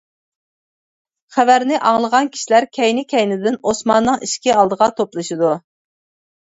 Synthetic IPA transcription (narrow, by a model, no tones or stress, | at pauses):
χævæɾnɪʔɑŋlˠəʁɑnkʲʰi̥ʃilæɾkʲʰɛjnɪkʲʰɛjnɪd̪ɪnosmɑnːɨŋiʃkʲiɑlˠd̪əʁɑt̪ʰoplˠɨʃid̪u